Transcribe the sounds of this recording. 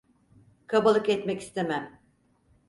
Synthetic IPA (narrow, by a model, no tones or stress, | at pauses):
kʰabalˠɯkɛt̪mɛci̥st̪ʰemæm